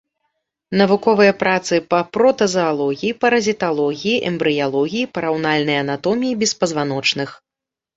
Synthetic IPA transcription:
nɐvukɔvɨjɐpɾat̪sɨpɐpɾɔt̪ɐzɐalˠɔɣʲijipɐɾɐzʲit̪alˠɔɣʲijiʔɛmbɾɨjalˠɔɣʲijipɐɾawnalʲnɐjɐɐnat̪ɔmʲijibʲɛspɐzvan̪ɔt͡ʂnɨx

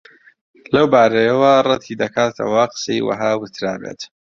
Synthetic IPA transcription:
lɐwbaːɾɐjɐwɐrˤɨt̪ʰid̪ɐkʰaːt̪ʰɐ̰waqə̥sejwɐ̰ɦaːwɨt̪ʰɾaːbḛt̪

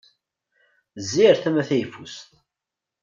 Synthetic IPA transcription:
zːiɾθæmæθæjfust̪

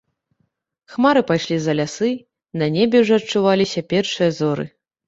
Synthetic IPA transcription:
xmaɾɨpajʂlʲizɐlʲasɨ | nɐnʲebʲɛwʐɔɐt͡ʂːuvalʲisʲɐpʲɛrʂɨjɐzɔɾɨ̰

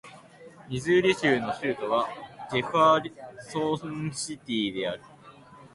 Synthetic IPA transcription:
mʲizɨɾʲiɕɨːno̞ɕɨːt̪o̞βad͡ʑe̞ɸaɾʲsoːõɕit̪ʲiːd̪e̞aɾɯ̟

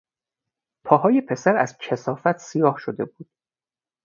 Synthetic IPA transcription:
pʰɒːɦɒːjepʰe̞sæɾæ̰zcʰesɒːfæt̪ʰsijɒːhʃod̪e̞buːd̪̥̚

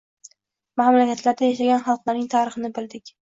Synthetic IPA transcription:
mamlakʲat̪ʰlaɾd̪ajaʃaɡʲanχɑlˠqlˠaɾnɪŋt̪ʰaːɾɨχɨnɪbɪld̪ɪkʲ

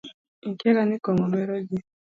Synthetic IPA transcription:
ŋ̩kɛɾanikɔmɔmɛɾɔɡi

